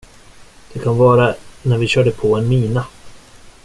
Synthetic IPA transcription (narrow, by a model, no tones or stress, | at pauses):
d̪̥ɛkʰanvɑːɾanæɾvɪɕœːɖəpʰɔɛnmiːna